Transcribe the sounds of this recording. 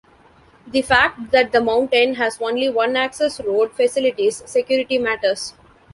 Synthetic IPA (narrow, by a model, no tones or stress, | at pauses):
d̪ifæk̚ʈ̚d̪æʈ̚d̪əmãʊ̃ɳʈẽːnɦæzõːnliʋʌ̃næksesɾoːɖfɛsɪlɪʈizːekjuːɾɪʈimæʈəɾs